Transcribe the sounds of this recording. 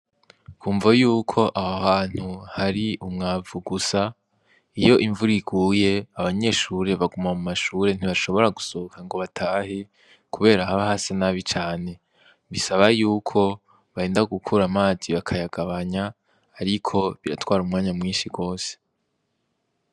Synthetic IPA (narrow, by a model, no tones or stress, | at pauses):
kʰuːɱvajuːkʰo̞ʔahahaːn̥huhaɾiʔumŋaːvuɡusa | ijo̞ʔiɱvuɾiɡuːje̞aβaɲe̞ːʃuɾe̞βaɡumamumaʃuːɾe̞n̥iβaʃo̞βo̞ɾaɡusokaŋɡo̞βatʰaːhe | kuβe̞ːɾahaβaɦasanaːβit͡ʃaːne̞ | βisaβajuːkʰo̞ | βaheːndaɡukʰuɾamaːziβakʰajaɡ̥aβaɲaː | ɾikʰo̞βiɾa̰twaːɾumŋaːɲamŋiːnʃiɡo̞ːse̥